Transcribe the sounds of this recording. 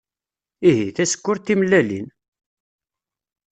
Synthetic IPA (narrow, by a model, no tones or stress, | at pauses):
iɦiθæsə̥kːʊɾt̪ːimlːælḭn